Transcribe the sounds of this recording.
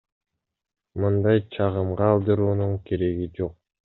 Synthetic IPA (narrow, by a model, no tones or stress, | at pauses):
mɯnd̪ɑjt͡ʃʰɑʁɯmʁɑːlˠd̪ɯɾuːnuɴkʰe̞ɾe̞ɡid͡ʒo̞q̚